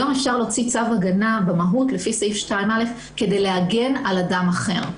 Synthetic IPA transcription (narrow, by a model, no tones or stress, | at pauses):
amefʃaʁleot͡sit͡savaɡanabemaɦutlefisejfʃtaimale̞f | ke̞dejleaɡe̞naladamaχe̞ʁ